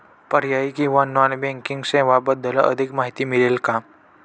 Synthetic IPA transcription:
pəɾjaikiʋananbẽŋkĩŋɡsẽʋabəd̪əlʔə̰d̪ʱikmaɦit̪imilelka

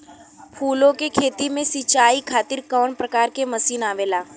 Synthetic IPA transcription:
pʰuːlõkekʰeːt̪imẽsit͡ʃaːikʰaːt̪ɪɾkɔːnpɾəkaːɾkemɐsiːnaːʋeːlaː

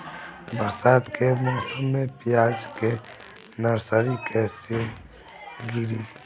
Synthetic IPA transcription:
bəɾsaːt̪kemɔːsəmːẽpɪjaːd͡ʒke | nəɾsəɾikʰɛːse | ɡiɾiː

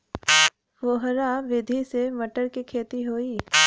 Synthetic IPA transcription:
ʋoɦɾaʋɪd̪ʱisemɐʈəɾkikʰeːt̪iɦoːiː

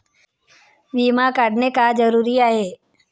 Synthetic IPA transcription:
ʋiːmakaɽnekad͡ʒɐɾuːɾiaːɦeː

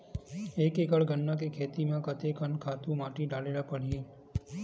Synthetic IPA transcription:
eːkekəɭɡənːãk̬ekʰeːt̪imãkət̪ekʰənkʰaːt̪ũmaːʈiɖaːlelapəɽ̤ijeː

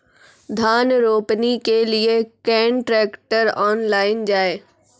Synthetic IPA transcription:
d̪ʱaːnɾoːpnikeliekɛ̃ːɳʈɾɛːkʈəɾaːnlaːɪnd͡ʑaːeː

